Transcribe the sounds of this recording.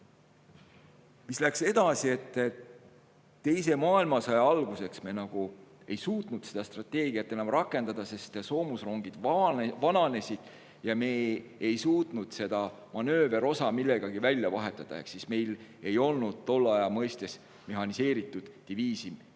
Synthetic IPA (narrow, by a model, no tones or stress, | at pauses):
mislækse̞d̪̥ɑsie̞t̪ː | t̪ːe̞jse̞mɑːilmɑsɑjɑɑlɡ̥use̞ksme̞nɑɡ̥u | e̞jsuːt̪ˑnud̪̥se̞d̪̥ɑst̪rɑt̪ːˑe̞ːɡiɑt̪ːˑe̞nɑmrɑkːˑe̞nd̪̥ɑd̪̥ɑse̞st̪so̞ːmusro̞ŋɡid̪̥vɑnɑne̞sʲid̪̥ | jɑme̞ːjsuːt̪nud̪̥se̞d̪̥ɑ | mɑnø̞ːve̞ɾo̞sɑmilːe̞ɡ̥ɑɡ̥ivælʲjɑvɑɦe̞t̪ːˑɑd̪̥ɑ̰ḛksisme̞jle̞jo̞lnud̪̥̚t̪o̞lːɑjɑmɤjst̪e̞s | me̞ɦɑnise̞ːɾit̪ːˑud̪̥ːiviːsi